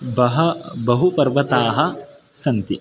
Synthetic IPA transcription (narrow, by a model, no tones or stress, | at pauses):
bɐɦɐbɐɦupɐɾʋɐt̪aːɦɐ̆ | sɐnt̪i